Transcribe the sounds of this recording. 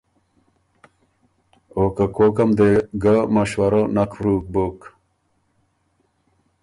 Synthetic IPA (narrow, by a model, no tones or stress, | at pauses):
oːkəkoːkɐmd̪eɡamɐɕwɐɾənɐkfɾuːk̚bok